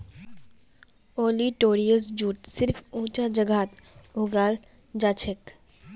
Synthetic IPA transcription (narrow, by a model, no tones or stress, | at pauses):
oːliʈoːɾijəs̬d͡ʒuːʈsɪɾfũːt͡ʃad͡ʒɐɡaːt̪ʊɡaːl | d͡ʒaːt͡ʃʰək